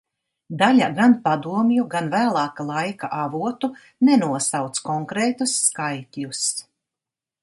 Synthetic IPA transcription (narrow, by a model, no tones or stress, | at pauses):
d̪alʲaɡanpad̪uɔmjuɡanvæːlˠɑːkalˠajkaʔavuɔt̪u | nɛnuɔsawt̪skɔŋkɾɛːt̪usːkajt̪ʲlʲus